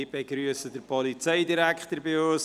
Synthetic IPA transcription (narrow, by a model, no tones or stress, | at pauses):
ɪbɛɡɾyəsəd̥əɾpʰɔlit͡seɪdiɾɛkχt̪əɾbɪoːs